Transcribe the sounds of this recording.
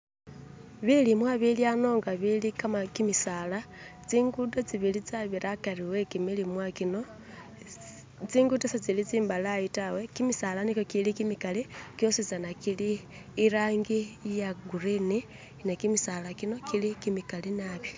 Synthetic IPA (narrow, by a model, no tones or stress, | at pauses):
βilimwaβiljano̞ːŋɡaβilikamakimisalat͡siːŋɡutot͡siβilit͡saβiɾakariwekimilimwakino | t͡siːŋɡudosat͡silit͡siːmbalaitawekimisalanikokilikimikalikjosit͡sanakiliː | ɾaːŋɡijaɡuɾini | nekimisalakino̞kilikimikalinaβjo